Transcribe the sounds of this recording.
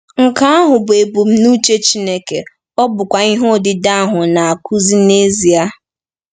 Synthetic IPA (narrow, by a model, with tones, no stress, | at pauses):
ŋ̩˨ka˦a˦ɦʊ˨bʊ˨e˨bu˨m̩˦nu˦t͡ʃe˦t͡ʃi˦ne˦ke˨ | ɔ˦bʊ˨kʷa˨i˦ɦo˦˨dɪ˦da˦a˦ɦʊ˨na˨a˨kʰu˦zi˦ne˦zi˨a˦